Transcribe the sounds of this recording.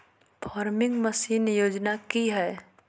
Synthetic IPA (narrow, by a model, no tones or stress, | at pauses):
pʰaːɾmɪ̃ŋɡməsiːnjoːd͡ʒnakiɦɛː